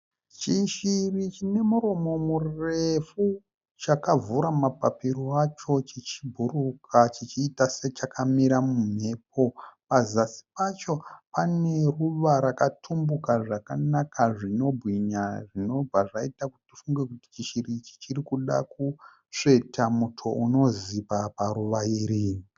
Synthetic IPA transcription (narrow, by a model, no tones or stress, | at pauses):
t͡ʃiʃirit͡ʃine̞muɾo̞mo̞murefu | t͡ʃakavuɾamapapiɾoat͡ʃo̞t͡ʃit͡ʃibʱurukʰat͡ʃit͡ʃiːtaset͡ʃakamiɾamum̤e̞ːp̚o̞pazasi̥pat͡ʃo̞pane̞ruʋaɾakatʰumbukaʐakanakaʐino̞bʱwiɲaʐino̞b͡vaʐaitakuti̥tifuŋɡe̞kuti̥t͡ʃiʃirit͡ʃi̥t͡ʃirikuɗa̰ku | ʂe̞tʰamutʰo̞uno̞zipapaɾuʋaiɾiːni